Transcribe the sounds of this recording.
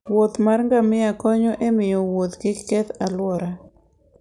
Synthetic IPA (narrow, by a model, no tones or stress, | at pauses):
wot̪marŋɡamɪakɔɲɔʔemɪjɔwot̪ɡɪkːɛt̪alwɔɾa